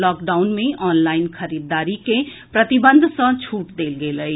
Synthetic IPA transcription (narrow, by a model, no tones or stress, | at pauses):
lɔːkɖaːʊnmẽʔɔːnlaːɪnkʰəɾiːd̪ːaːɾike | pɾət̪ibə̃nd̪ʱsə̃t͡ʃʰuːʈd̪eːlɡeːləi